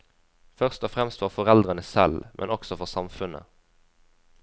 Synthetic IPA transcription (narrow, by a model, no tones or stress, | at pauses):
fœʁst̪ɔfʁɛmst̪ʋɑːʁfɔʁɛld̪ʁənəsɛlmʔɛ̰nɔksɔfɔʁsɑmfʉnə̰